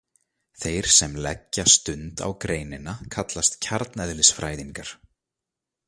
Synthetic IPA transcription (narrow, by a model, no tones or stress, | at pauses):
θejɾ̥sɛmlɛcːast̪ʏnt̪a̰wkɾeːjnɪnakʰat̪last̪cʰaɾt̪nɛðlɪsfɾaːjðiŋkaɾ̥